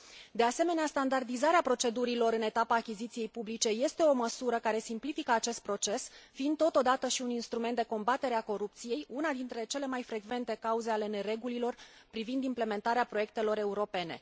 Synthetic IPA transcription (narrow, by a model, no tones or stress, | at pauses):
d̪e̞ase̞me̞neast̪and̪ard̪izaɾeapɾo̞t͡ʃe̞d̪uɾilo̞ɾɨne̞t̪apaːkʲizit̪sije̞jpublit͡ʃe̞je̞st̪e̞o̞məsuɾəkaɾe̞simplifikəat͡ʃe̞st̪̚pɾo̞t͡ʃe̞sfiːnd̪ːo̞t̪o̞d̪at̪əʃiuninst̪ɾument̪d̪eko̞mbat̪e̞ɾeako̞ɾup̚t̪sije̞junad̪int̪ɾe̞t͡ʃe̞le̞majfɾe̞ɡve̞nt̪e̞kauze̞ale̞ne̞ɾe̞ɡulilo̞rpɾivind̪imple̞me̞nt̪aɾeapɾo̞je̞k̚t̪e̞lo̞ɾe̞uɾo̞pe̞ne̞̰